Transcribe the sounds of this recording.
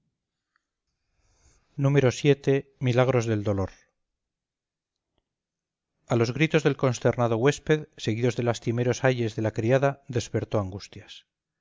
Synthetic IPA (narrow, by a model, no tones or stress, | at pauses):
nũme̞ɾo̞sje̞t̪e̞milaɣ̞ɾo̞zðe̞ld̪o̞lo̞ɾ | alo̞zɣɾit̪o̞zðe̞lko̞nst̪e̞ɾnaðo̞ɣwe̞spe̞ðse̞ɣiðozðe̞last̪ime̞ɾo̞saʎe̞zðe̞lakɾiaðaðe̞spe̞ɾt̪o̞aŋɡust̪jas